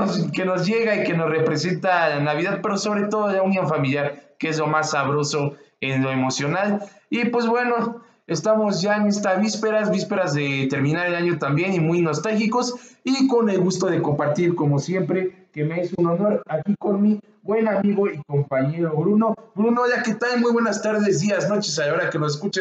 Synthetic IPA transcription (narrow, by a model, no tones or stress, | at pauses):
ke̞no̞zʝe̞ɣaike̞no̞sre̞pɾe̞se̞nt̪alanaβ̞iðaðpe̞ɾo̞so̞βɾe̞t̪o̞ðoelaunjo̞nfamiljaɾkee̞zlo̞masːaβ̞ɾo̞so̞enlo̞e̞mo̞sjo̞nal | ipwe̞zβwe̞no̞ | e̞st̪amo̞zʝaenest̪aβispe̞ɾazβispe̞ɾazðe̞t̪e̞ɾmĩnaɾelaɲo̞t̪ambje̞nimujno̞st̪alxiko̞siko̞ne̞lɣust̪o̞ðe̞ko̞mpaɾt̪iɾko̞mo̞sje̞mpɾe̞ | kemeesuno̞no̞ɾakiko̞nmi | bwe̞namiɣo̞iko̞mpaɲe̞ɾoβɾuno̞bɾuno̞ʝake̞t̪almujβwe̞nast̪aɾðe̞zd̪iazno̞t͡ʃesaaoɾake̞no̞s̬es̬kut͡ʃe